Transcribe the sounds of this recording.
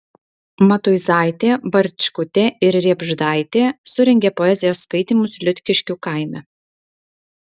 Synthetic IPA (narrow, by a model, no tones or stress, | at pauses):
mɐt̪ʊɪzɑˑɪt̪ʲeːbɐɾʲt͡ʃʲkʊt̪ʲeːɪɾɾʲiɛbʒd̪ɑˑɪt̪ʲeːsʊɾʲɛŋʲɡʲepɔɛzʲɪjoːsːkɐɪt̪ʲiːˑmʊslʲʊt̪ʲkʲɪʃʲkʲuːkɑˑɪmʲɛ